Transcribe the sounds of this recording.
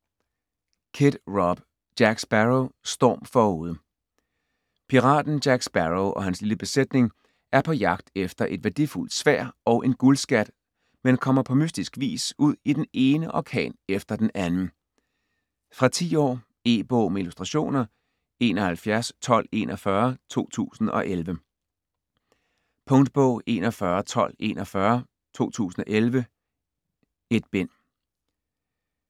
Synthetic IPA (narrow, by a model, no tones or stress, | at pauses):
kʰed̥ʁɒb̥ | d̥jæɡ̥sb̥æʁosd̥ɒ̰ːmfɒuːð̞ˠə | pʰiʁɑ̰̈ːd̥n̩d̥jæɡ̥sb̥æʁoʊʔɒ̽ɦænsliləb̥e̝sed̥ne̝ŋ | ʔæɐpʰɒ̽jɑ̈ɡ̥̚d̥efd̥ɐʔe̝d̥ʋæɐd̥iful̰d̥sʋæɐ̰ʔɒ̽ʊʔe̝nɡ̥ulsɡ̥æd̥ | menkʰɒ̽m̰ɐpʰɒ̽mysd̥isɡ̥ʋḭːsuð̞̰ˠid̥ene̝ːnəʔɒ̰kʰɛ̰ːnefd̥ɐd̥enænn̩ | fʁɑ̈t͡sʰḭːɒ̰ː | e̝̰ːb̥ɔʊmeilusd̥ʁɑ̈ɕo̝̰ːnɐ | e̝ːnɒ̽hælfjæɐst͡sʰɒ̽l̰e̝̰ːnʔɒfɶɐt͡sʰo̝̰ːt͡sʰṵːsn̩ɒ̽ʔelʋə | pʰɔ̽ŋd̥b̥ɔ̰ʊ̰ʔe̝̰ːnɒfɶːɐt͡sʰɒ̽l̰e̝̰ːnɒfɶɐ | t͡sʰo̝̰ːt͡sʰṵːsn̩ɒ̽ʔelʋə | e̝d̥̚b̥en̰